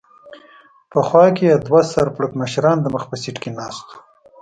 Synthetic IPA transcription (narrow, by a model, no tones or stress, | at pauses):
pəxwɑkejɑd̪wasaɾpɽəkməʃɾɑnd̪əməxpəsiʈkenɑːst̪u̥